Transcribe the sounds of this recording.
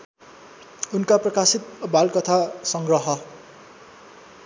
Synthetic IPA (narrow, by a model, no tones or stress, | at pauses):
unkaprʌkasit̪̚balkʌt̪ʰasʌŋɡrʌɦʌ